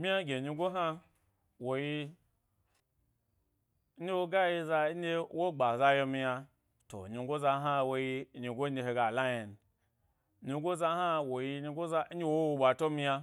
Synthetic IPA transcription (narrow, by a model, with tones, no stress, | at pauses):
mʲi˦ja˦ɡʲe˨ɲi˧ɡo˦ɦa˦ | wo˨ji˧˦ | i˦wo˦ɡa˦ji˧za˧˦e˦wo˦ɡ͡ba˨za˧jo˧mi˧ja˧ | to̰˨ɲi˧ɡo˦za˧˦ɦa˦wo˧ji˧˦ɲi˧ɡʷo˦e˧ɦe˧ɡa˨la˦je˨n˨ | ɲi˧˦ɡʷo˦za˧˦ɦa˦wo˨ji˧ɲi˧ɡo˦za˧˦i˦wo˦wo˧ɓa˨to˦mi˧ja˧